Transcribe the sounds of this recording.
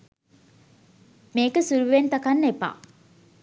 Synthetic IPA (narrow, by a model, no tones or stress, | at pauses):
meːkəsuɾuʋent̪akanːepa̰ː